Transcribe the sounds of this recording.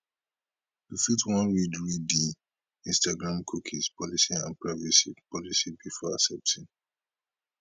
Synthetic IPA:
tufitwɔ̃nɹidɹidi | ĩnstaɡɹãmkʰukʰispʰɔlisiã̰npɹavisipʰɔlisibifɔa̰sɛp̚tĩn

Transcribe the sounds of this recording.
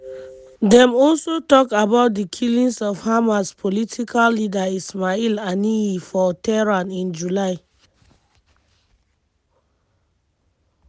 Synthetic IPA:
dɛ̃mɔlsotɔkabaʊt̚dikʰilĩnsɔfhamaspʰolitʰikʰalːidaismailaniifɔtɛɹãnĩnd͡ʒulaɪ

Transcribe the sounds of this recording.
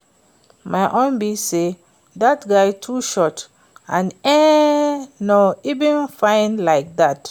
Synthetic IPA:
maɪʔõnbise | ðatɡaɪtʰuʃɔt | ãnɛ | noivə̃nfãɪ̃nlaɪk̚ðat

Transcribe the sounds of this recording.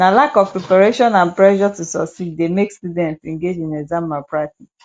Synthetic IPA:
nalakɔfpɹɛpaɹeʃɔ̃nãnplɛʃɔtusɔksidːemekstudɛ̃ntsɛ̃ŋɡed͡ʒĩnɛɡzãmapɹati

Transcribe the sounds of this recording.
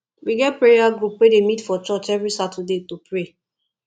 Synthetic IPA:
wiɡɛt̚pɹejaɡɹupwedemitfɔt͡ʃɔt͡ʃɛvɹisatʰədetopʰɹe

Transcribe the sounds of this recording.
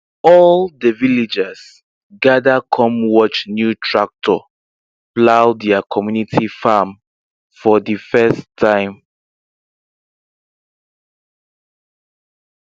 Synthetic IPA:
ɔldəvilid͡ʒɛs | ɡadakʰɔ̃mwɔt͡ʃnjutʰɹak̚tʰɔ | plawdɛakʰɔmjunitʰifam | fɔdəfɛstʰːãɪ̃m

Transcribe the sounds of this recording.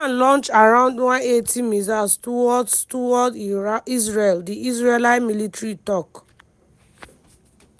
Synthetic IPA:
lɔ̃nt͡ʃaɹãʊ̃ndwãnetʰimizastuɔdtuwɔdisɹeldiʔisɹelaɪmilitɹitɔk

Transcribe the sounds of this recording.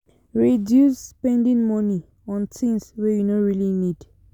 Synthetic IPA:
ɹidjuspɛ̃ndĩŋmɔni | ɔ̃ntʰĩŋswɛjunoɹilinid̥

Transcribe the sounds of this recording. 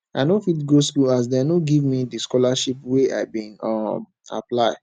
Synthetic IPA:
aɪnofitɡoskulas̬dɛnoɡivmidiskɔlaʃipwea̰ɪbĩnɔm | a̰plaɪ

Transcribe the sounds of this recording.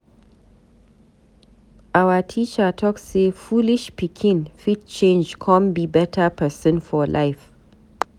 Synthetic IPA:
ʔawatʰit͡ʃatʰɔksefulɪʃpikʰɪ̃nfit̚t͡ʃʰẽnd͡ʒkʰɔ̃mbibɛtʰapʰɛsɨ̃nfɔlʔaɪf

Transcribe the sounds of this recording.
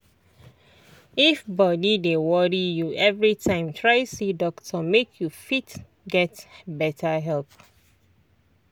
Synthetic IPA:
ifbɔdidewɔɹijuʔɛvɹitʰãɪ̃mtʰɹaɪsidɔktʰɔmekʰjufit | ɡɛtbɛtʰəɦɛlp

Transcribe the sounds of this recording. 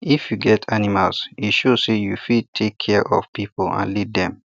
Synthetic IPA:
ifjuɡɛtʰanimalsiʃosejufid̚tʰekʰːɛɹʔɔ̰fpipolã̰nliddɛ̃m

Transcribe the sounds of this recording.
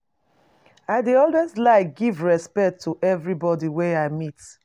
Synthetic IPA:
aɪdeɔldwɛslaɪɡivɹɛspɛk̚tʰːuʔɛvɹibɔdiwɛaɪmit

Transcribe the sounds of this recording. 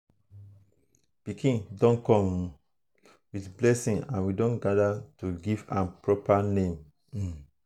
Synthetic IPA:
b̥ikʰĩndɔ̃nkɔ̃m | wiθblɛsĩnã̰nwidõnɡadatuɡivã̰npɹɔpanẽm̩

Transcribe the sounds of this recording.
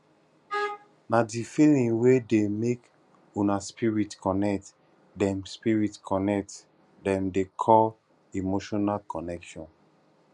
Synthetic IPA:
nadifilĩŋwedemek | unaspiɹitkɔnɛk̚t | dɛ̃mspiɹitkʰɔnɛk̚t | dɛ̃mdekʰɔl | imoʃɔnalkɔnɛkʃɔ̃n

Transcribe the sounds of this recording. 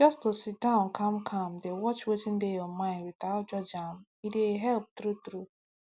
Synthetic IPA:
d͡ʒɔstosit̚dãʊ̃nkʰam̩kʰãm̩dewɔt͡ʃwetɪ̃n̩deɔmãɪ̃nɾitad͡ʒɔd͡ʒam̩ | ideɦɛlp̚tɾutɾu

